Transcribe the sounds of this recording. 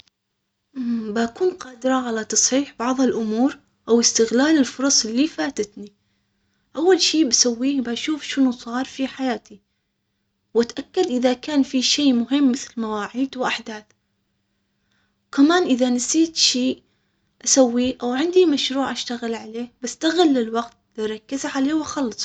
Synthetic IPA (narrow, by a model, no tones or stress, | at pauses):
ʔmbaʔakuːnqɑːd̪ɪɾˤɑʕalat̪ɑsˤħiːħbɑʕðˤɪlʔʊmuːɾ | ʔawɪst̪ɪɣlaːlɪlfʊɾˤɑsˤɪlːifaːt̪at̪ni | ʔawːalʃiːbasawːiːhbaʔʃuːfʃɪnusˤɑːɾˤfiħajaːt̪i | wat̪ʔakːad̪ʔɪðakaːnfiʃeːmʊɦɪmːɪθlmawaːʕiːd̪wʔaħd̪aːθ | kamaːnʔɪðanasˤiːt̪ʃiː | ʔasawːiːʔawʕɪnd̪imaʃɾuːʕʔaʃt̪aɣɪlʕaleːbast̪aɣɪlːɪlwaɡt̪̚liɾˤɑkːɪzaʕaleːwxɑlːɨsˤ